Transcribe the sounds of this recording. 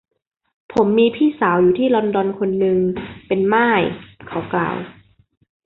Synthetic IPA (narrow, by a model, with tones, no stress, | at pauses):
pʰo˩˦mːiː˧pʰiː˥˩saː˩˦wjuː˨˩t̪ʰiː˥˩lɔː˧ndɔː˧nkʰo˧nːɯ˧ŋpe˧nmaː˥˩jkʰa˨˦wkla̰ː˨˩w